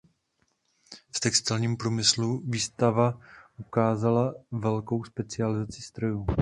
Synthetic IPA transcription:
ft̪ɛkst̪ɪlɲiːmpɾuːmɪsluviːst̪avaʔukaːzalavɛlko̞wspɛt͡sɪalɪzat͡sɪst̪ɾojuː

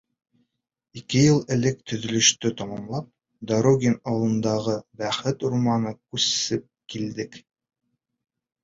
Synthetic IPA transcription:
ikɘjɤlˠɘ̆lɘk̚t̪ɵ̆ðɵ̆lɵ̆ʃt̪ɵt̪ɒmɑmlˠɑp̚ | d̪aɾoɡʲenɑwlˠɤ̆nd̪ɑʁɤbæχɘt̪uɾmɑnɤkʉsɘp̚kild̪ɘk

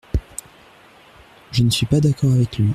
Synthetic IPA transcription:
ʒənəsɥipad̪akɔʁavɛklɥi

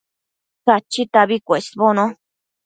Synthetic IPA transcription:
kat͡ʃit̪aβikʷesβonõ

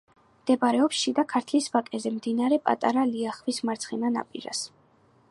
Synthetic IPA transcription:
md̪̥ɛbɾɛɔpsʃid̪akʰaɾt̪ʰlisvakʼɛzɛmd̪inaɾɛpʼa̰t̪ʼa̰ɾaliaχvismaɾt̪sʰχinana̰pʼḭɾa̰s

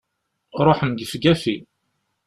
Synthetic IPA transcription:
ɾˤoħəmɡ̪əfɡæfi

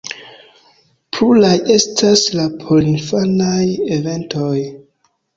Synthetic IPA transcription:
pɾulaje̞staslapʰolinfanajeve̞ntʰoj

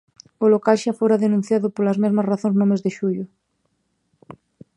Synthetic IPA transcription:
ʊlokalʃafoɾaðenũn̟θjaðʊpolɐzmezmɐsraθõŋznõmezðeʃuʎʊ

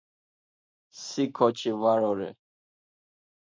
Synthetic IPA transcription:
sikʰɔt͡ʃʰivaɾɔɾɛ̰

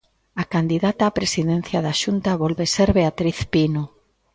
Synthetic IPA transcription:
akand̪iðat̪aːpɾesiðen̟θjaðaʃunt̪aβɔlβeseɾβeat̪ɾiθpino

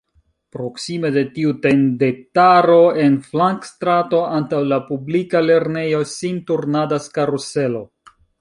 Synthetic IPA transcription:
pɾo̞ksime̞de̞tiute̞ndetaɾo̞e̞nflaŋkstɾato̞antawlapublikale̞ɾne̞jo̞sintuɾnadaskaɾuse̞lo̞

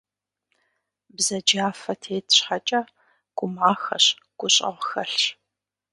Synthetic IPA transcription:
bzɐd͡ʒaːfɐtʰeːtʰɕħat͡ʃʼɐ | ɡ̥ʷʊmaːxɐ̰ɕ | ɡ̥ʷʊɕʼɐ̰ʁʷxɐɬ

